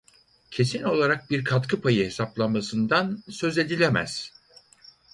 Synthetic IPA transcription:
cʰe̞sino̞lˠaɾak̚biɾkʰat̪kʰɯpʰajɯhe̞saplˠamasɯnd̪ansø̞ze̞d̪ilʲemæ̰z̥

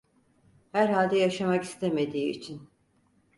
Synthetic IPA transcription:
hæɾɦalʲd̪ɛjaʃamaki̥st̪ʰeme̞d̪ḭːt͡ʃʰin

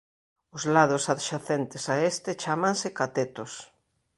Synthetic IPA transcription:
ʊzlaðʊsaðʃaθent̪ɪsaest̪ɪt͡ʃamãnsɪkat̪et̪ʊs

